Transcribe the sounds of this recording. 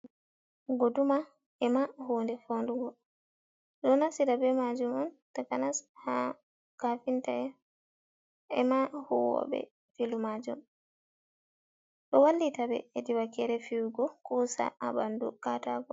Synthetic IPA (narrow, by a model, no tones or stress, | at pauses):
ɡoduma | ɛmahuːndɛfonduɡɔ | ɗɔnasiɾabɛmad͡ʒumɔn | takanasha | kafintaɛ | ɛmahuwɔ̰bɛ̰ | filumad͡ʒṵm | ɗɔwalːitabɛ̰ediwakɛɾɛfiwuɡɔkusa̰abandṵkataɡɔ̰